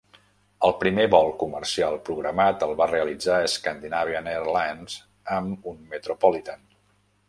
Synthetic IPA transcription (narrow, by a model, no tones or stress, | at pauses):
əlˠpɾimeβɔlˠkumərsialˠpɾuɣɾəmat̪əlˠβareəlid͡zaəskand̪inaβ̞ianeɾlanz | əmunmət̪ɾupɔlit̪an